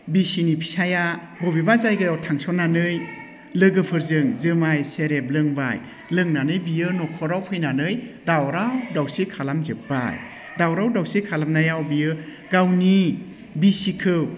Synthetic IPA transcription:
bisinipʰi̥saja | bɔbibazajɡɯjawtʰaŋsɔnanɯj | lɯɡɯpʰɯɾzɯŋzɯmajseɾep̚lɯŋba̰j | lɯŋnanɯjbijɯnɔkʰɔɾawpʰɯjnanɯjdawɾawdawsikʰalamzɯp̚ba̰j | dawɾawdawsikʰalamnajawbijɯ | ɡawni | bisikʰɯw

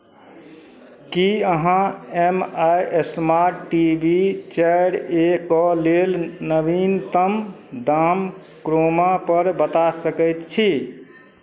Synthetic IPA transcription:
kiəɦãemajesmaɾʈːibit͡ʃajɽekɔlelnəbint̪əm | d̪am | kɾomapəɾbət̪asəkəjt̪t͡ʃʰi

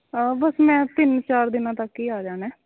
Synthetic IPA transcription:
bəsmɛ̃ːt̪ɪnt͡ʃaːɾd̪ɪnãːt̪əkiːaːd͡ʒaːnɛː

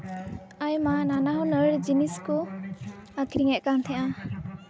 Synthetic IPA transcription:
ajmananaɦɔnəɽd͡ʒinisku | akʰiɾiŋɛʔkant̪ʰɛʔã

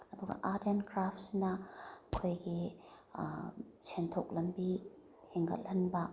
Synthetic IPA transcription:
ɐduɡɐ̰ʔadenkɾaptsnɐkʰojɡi | t͡ʃʰentʰok̚lɐmbi | heŋɡɐ̰l̚lɐnbɐ

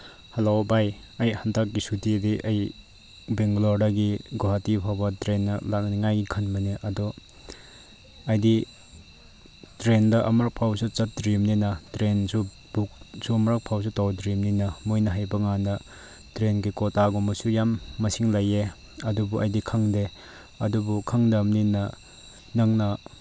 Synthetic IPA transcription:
hɐlobaj | ɐjhantak̚ɡisutidiʔɐj | beŋɡloɾdaɡiɡoɦatipʰabɐtɾenːɐlak̚ŋniŋajɡikʰɐnbɐniʔɐdɔ | ɐjdi | tɾendɐʔɐmɾak̚pʰawsɐt͡ʃɐt̚dɾimninɐtɾensu | buk̚suɐmɾak̚pʰaws̬utawdɾimninɐmojnɐɦajbɐŋandɐ | tɾenɡikɔtaɡɔmɐsujamːɐsiŋlɐje | ɐdubuʔɐjdikʰɐŋde | ɐdubukʰɐŋdɐmninɐ | nɐŋnɐ

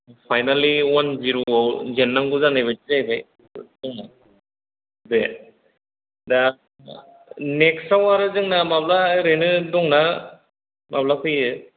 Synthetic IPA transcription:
pʰajnaliwanziɾoɔzenːaŋɡuzanebetizajbaj | dɔŋa | be | da | neksawaɾɯzɯŋnamablaɾenɯdɔŋna | mablapʰɯjɯ

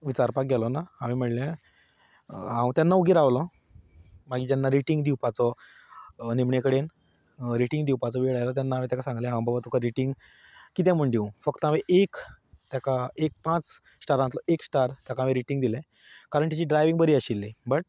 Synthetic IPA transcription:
ʋit͡ɕaɾpak̚ɡʱɛlɔnahãʋim̤əɽljã | ɦãwt̪jãnːaʋɡiɾaʋlɔ̃ | maɡiːd͡ʑanːaɾiʈiŋɡd̪iwpat͡sɔ | nimɳekəɽen | ɾiʈiŋɡd̪iwpat͡sɔʋeɽajlɔt̪̬janːaaʋẽt̪akasãŋɡlɛ̃ɦãw̃babat̪okəɾiʈiŋɡ | kit̪̬ɛ̃m̤əɳɖiwfəkt̪əaʋeʔekt̪jakaek̚pãt͡s | sʈaɾant̪lɔʔeksʈaɾt̪jakaaʋeɾiʈiŋɡd̪ilɛ̃ | kaɾəɳt̪it͡ɕiːɖɾajʋiŋɡbəɾiːəɕilːibəʈ̚

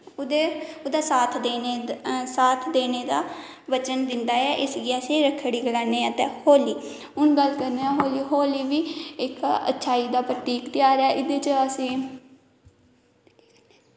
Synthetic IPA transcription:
d̪eʊd̪aːsaːt̪ʰd̪eesaːt̪ʰd̪eːneːd̪aː | ʋət͡ʃənd̪ɪnd̪aːɛːʔɪsɡiːaseːɾəkʰːɽiːɡəlaːneːət̪ɛ̃ːhoːliː | ʊnɡəlkəɾneːãːɦoːliːɦoːliːʋiːɪkə̰tːʃʰaːiːd̪aːpɾəʈ̪iːkt̪ɪjaːɾaːʔɪd̪eːt͡ʃəəsĩː

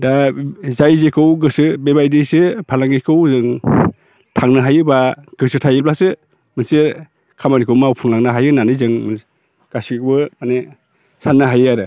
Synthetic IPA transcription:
dazajzekʰɯwɡɯsɯbebajdisɯpʰalaŋɡikʰɯwzɯŋ | tʰaŋnɯɦajɯbaɡ̥ɯsɯtʰajɯp̚lasɯ | mɯnsiɾ | kʰamanikʰɯwmawpʰuŋlaŋnɯɦajɯnanɯjzɯŋm | ɡ̥asibɯane | sanːaɦajɯaɾɯ

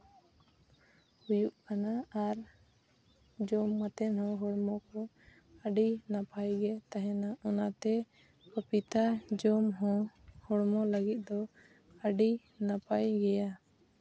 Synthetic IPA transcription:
hujuʔkanaaɾ | d͡ʒɔmːat̪ɛnɦɔ̃ɦɔɽmɔkɔ | əɖinapajɡɛt̪aɦɛ̃naɔnat̪ɛ | kəpit̪ad͡ʒɔmɦɔ̃hɔɽmɔləɡit̪̚ˀd̪ɔ | əɖi | napajɡɛja

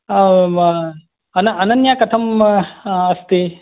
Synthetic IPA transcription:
ɐnɐɐnɐnjakɐt̪ʰɐm | ɐst̪i

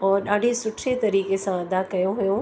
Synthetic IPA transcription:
ɔːɾɗaːɖʱesʊʈʰet̪ɐɾiːkesãɐd̪akɐjõɦujõ

